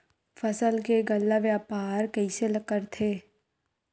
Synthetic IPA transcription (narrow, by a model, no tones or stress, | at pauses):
fɐsəlkeɡɐlːaʋjaːpaːɾkɐiselɐkəɾt̪ʰeː